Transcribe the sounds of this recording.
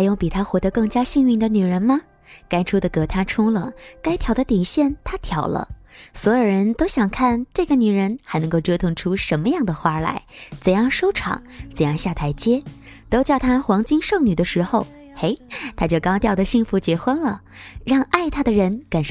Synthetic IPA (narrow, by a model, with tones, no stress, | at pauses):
a˧˥jʊ˥˩ŋpi˨˩t̪ʰa˥xwɔ˧˥d̪ɤ˧˦kɤ˥˩ŋt͡ɕja˥ɕi˥˧ŋy˥˩nd̪ə˨ny˨˩ɻə˧˥nmɐ˧ | ka˥ɪʈ͡ʂʰu˥d̪ə˨kɤ˧˥t̪ʰa˥ʈ͡ʂʰʊ˥ŋlə˨ka˥ɪt̪ʰjɑ˨˩ʊd̪ə˧t̪i˨˩ɕjɛ˥˩nt̪ʰa˥t̪ʰjɑ˨˩ʊlə̰˦swɔ˧˥jo˨˩ɻə˧˥nt̪o˥ʊɕjɑ˨˩ŋkʰa˥˩nʈ͡ʂɤ˥˩ɡə˩ny˨˩ɻə˧˥nxa˧˥ɪnɤ˧˥ŋko˥˩ʊʈ͡ʂɤ˥t̪ʰʊ˥˧ŋʈ͡ʂʰu˥ʂə˧˥nmə˧jɑ˥˩ŋd̪ə˩xwa˥la̰˧˥ɪt͡sə˨˩jɑ˥˧ŋʂo˥ʊʈ͡ʂʰɑ̰˨˩˦ŋt͡sə˨˩jɑ˥˧ŋɕja˥˩t̪ʰa˧˥ɪt͡ɕjɛ˥ | t̪o˥ʊt͡ɕjɑ˥˩ʊt̪ʰa˥˧xwɑ˧˥ŋt͡ɕi˥ŋʂɤ˥˩ŋny˨˩d̪ə˦ʂɻ̩˧˥xo˥˧˩ʊ | e˧˥ɪt̪ʰa˥t͡ɕjo˥˩ʊkɑ˥ʊt̪jɑ˥˩ʊd̪ə˩ɕi˥˩ŋfu˧˥t͡ɕjɛ˧˥xwə˥nlə˨ | ɻɑ˥˧ŋa˥˩ɪt̪ʰa˥d̪ə˨ɻə˧˥nka˨˩nʂ